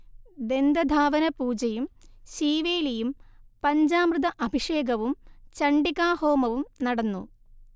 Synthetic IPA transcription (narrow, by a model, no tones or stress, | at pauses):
d̪e̞nd̪ɐd̪ʱaːʋɐnɐpuːd͡ʑɐjumɕiːʋeːlijumpɐɲd͡ʑaːmrɨd̪ɐʔɐbʱiʂeːɡɐʋumt͡ɕɐɳɖikaːho̞ːmɐʋumnɐɽɐnːṵ